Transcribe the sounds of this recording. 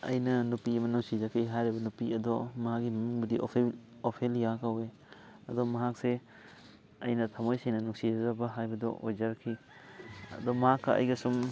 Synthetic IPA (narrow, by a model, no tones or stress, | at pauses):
ɐ̰jnɐnupiɐmɐnuŋsid͡ʒakʰiɦajɾibɐnupiɐdomɐɦak̚ːimɐnuŋbɐdiʔo̰opʰeljakawe | ɐdomɐɦak̚se | ɐjnɐtʰɐmojsejnɐnuŋsid͡ʒazɐbɐɦajbɐdo̰ʔojd͡ʒɐɾɐkʰi | ɐ̰domɐɦakːɐʔɐ̰jɡɐsum